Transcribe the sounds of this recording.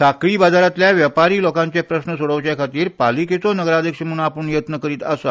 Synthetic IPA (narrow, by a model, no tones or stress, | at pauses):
sakɭiːbad̪ʱaɾat̪ljaʋjəpaɾiːlɔkãɲt͡ɕepɾəɕnəsoɽəʋt͡ɕjakʰat̪iːɾpaliket͡sonəɡəɾad̪ʱjəkɕemuɽ̃aːpəɳjət̪nəkəɾiːt̪asa